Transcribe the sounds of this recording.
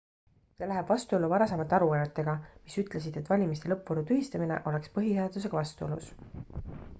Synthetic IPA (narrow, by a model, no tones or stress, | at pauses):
se̞læɦæb̥vɑst̪uo̞lːuvɑɾɑsɑmɑt̪ːɑɾuɑjet̪ːˑe̞ɡ̥ɑmisyt̪ˑlesid̪̥e̞t̪ːˑvɑlʲimis̬t̪e̞lɤpvɤɾut̪yɦist̪ɑmine̞̰ʔo̞le̞kspɤɦiheɑd̪us̬e̞ɡɑvɑst̪uolṵs